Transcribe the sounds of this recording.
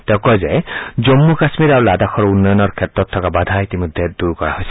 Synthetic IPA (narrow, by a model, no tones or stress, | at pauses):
tɛʊ̃kɔjzɛzomːukasmiɹaɹuladaxʰɔɹunːɔjɔnɔɹkʰɛtɹɔtʰːɔkabadʱaitimɔdʱːɛd̥uɹkɔɹa̰ɦojsɛ̥